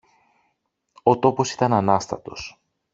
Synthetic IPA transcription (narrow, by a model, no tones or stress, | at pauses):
o̞t̪o̞po̞si̥t̪ɐnɐnɐst̪ɐ̰t̪o̞̰s